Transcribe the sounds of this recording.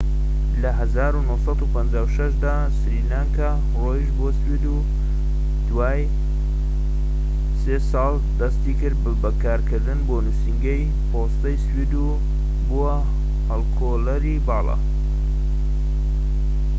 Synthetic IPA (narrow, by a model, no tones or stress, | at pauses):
lɐɦɐzaːɾunohsɑt̪upʰɐnd͡ʒaːwʃɐʃd̪aː | sɾilaːŋka | roːjiʃboswid̪u | d̪̥waːj | seːsɑːlˠ | d̪ɐst̪ikɨɾd̪bbɐkʰaːɾkʰɨɾd̪ɨnboːnusiŋɡej | pʰost̪ɐjswid̪u | buwɐ | hɐlkʰolɐɾibɑːlˠɑ̰